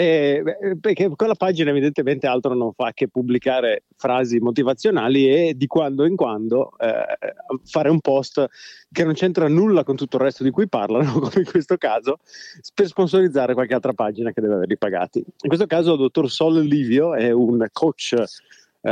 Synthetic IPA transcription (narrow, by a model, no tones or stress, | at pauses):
ɛpekekolːapad͡ʒinaevid̪ent̪ement̪ealt̪ɾonoɱfakːepːubːlikaːɾefɾaːzimot̪ivat̪sːjonaːlied̪ikwand̪oiŋkwand̪o̰ | faːɾeumpɔst̪ | kenont͡ʃɛnt̪ɾanulːakont̪ut̪ːoirːɛst̪od̪ikujpa̰rlanokomeiŋkwest̪okaːzopersponsoɾid̪zːaːɾekwalkealt̪ɾapad͡ʒinaked̪ɛːveavḛɾlipaɡa̰ːt̪iiŋkwes̬t̪okaːzold̪ot̪ːorsɔlliːvjoɛunkʰot͡ʃː